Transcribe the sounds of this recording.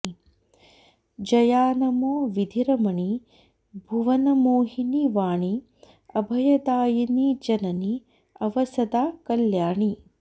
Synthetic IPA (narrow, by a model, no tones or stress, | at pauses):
d͡ʒɐjaːnɐmoːʋid̪ʱiɾɐmɐɳi | bʱuʋɐnɐmoːɦiniʋaːɳi | ɐbʱɐjɐd̪aːjɐnid͡ʒɐnɐni | ɐʋɐsɐd̪aːkɐljaːɳi